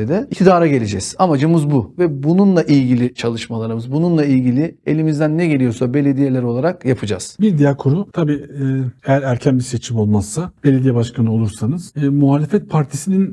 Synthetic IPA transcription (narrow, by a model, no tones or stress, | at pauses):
ed̪ɛicʰid̪aːɾaɟe̞lʲed͡ʒɛz̥amad͡ʒɯmɯzbuvɛbununlˠaʔilʲɟilʲɪt͡ʃʰalˠɯʃmalˠaɾɯmɯzbununlˠailʲɟilʲie̞̰lʲimizd̪ænːɛɟe̞lʲijo̞sabe̞lʲe̞d̪ije̞lʲæɾo̞lˠaɾakjapʰɯd͡ʒa̰z̥biɾd̪ijakʰoɾut̪ʰabiːejæɾæɾcʰænbiset͡ʃʰimo̞lˠmasːabe̞lʲed̪ijɛbaʃkʰanɯo̞lˠuɾsanɯz̥ːmuɦaːlʲefɛt̪̚pʰaɾt̪ʰisinin